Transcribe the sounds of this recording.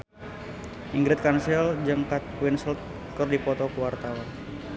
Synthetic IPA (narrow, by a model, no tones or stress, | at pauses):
ʔiŋɡɾɛt̪̚kansild͡ʒəŋkat̪̚winsəlt̪̚ | kərdipɔt̪ɔkəwart̪awan